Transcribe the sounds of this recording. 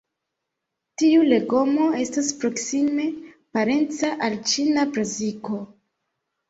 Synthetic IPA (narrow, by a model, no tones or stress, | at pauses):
tiule̞ɡo̞mo̞e̞staspɾo̞ksime̞ | paɾe̞nt͡saʔalt͡ʃinapɾaziko̞